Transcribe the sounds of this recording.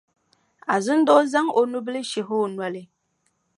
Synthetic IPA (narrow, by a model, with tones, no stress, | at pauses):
a˨zɨ˦n̩˦dɔ˦za˦ŋo˨nu˦bə˦li˦ʃi˨ɦo˦˨nwa˦li˨